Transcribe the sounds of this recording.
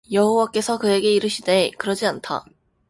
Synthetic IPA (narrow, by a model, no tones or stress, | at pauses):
jʌɦowak͈e̞sʰʌkɯe̞ɡe̞iɾɯɕʰide̞kɯɾʌd͡ʑiantʰa̰